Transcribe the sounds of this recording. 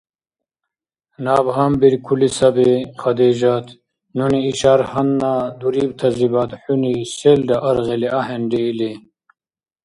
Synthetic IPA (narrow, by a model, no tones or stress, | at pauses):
naːbɦambiɾkʰulisɐbeχɐd̪eʑat̪ | nuniiɕaɾhɐnd̪nad̪uɾiːb̚t̪ʰɐzibat̪ħuniseld̪ɐʔɐɾɣeleaɦenɖeːle